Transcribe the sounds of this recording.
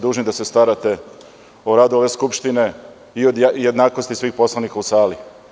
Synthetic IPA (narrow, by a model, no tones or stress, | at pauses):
d̪uːʒnid̪ase̞st̪aɾat̪e̞ | oɾaːd̪uo̞ʋe̞skupʃt̪ine̞ | iod̪jed̪naːkost̪isʋiːxpo̞slˠanikausaːli